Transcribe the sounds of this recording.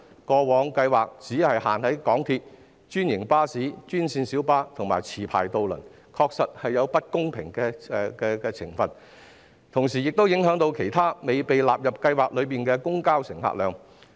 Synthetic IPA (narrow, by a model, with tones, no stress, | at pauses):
kɔː˧wɔː˨˧ŋkɐ˧jwaː˨k̚t͡siː˨˥hɐ˨jha̰ː˨˩nhɐ˨˥jkɔː˨˥ŋt̪ʰiː˧t̚ | t͡ʃyː˥njɪ˨˩ŋpaː˥siː˨˥t͡ʃyː˥nsiː˧nsiː˨˥wpaː˥t̪ʰʊ˨˩ŋmaː˨˩jt͡sʰiː˨˩pʰa̰ː˨˩jt̪o˧wlɵ̰˨˩n | kʰɔː˧k̚sɐ˨t̚hɐ˨jːɐ˨˧wpɐ˥t̚kʊ˥ŋpʰɪ̰˨˩ŋkɛː˧kɛː˧kɛː˧t͡sʰɪ̰˨˩ŋfɐ˨n | t̪ʰʊ˨˩ŋsiː˨˩jɪ˨k̚t̪o˥wjɪ˨˥ŋɦœː˨˥ŋt̪o˧wkʰe˨˩jt̪ʰaː˥me˨jpe˨jlaː˨p̚jɐ˨p̚kɐ˧jwaː˨k̚lɵ˨˧ɥpiː˨nkɛː˧kʊ˥ŋkaː˥wsɪ˨˩ŋha̰ː˧k̚lœː˨˧ŋ